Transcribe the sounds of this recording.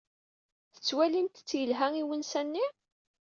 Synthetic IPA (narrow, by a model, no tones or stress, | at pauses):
θə̥t͡sːwælint̪ə̥t͡sːjəlɦæŋiwənsænːi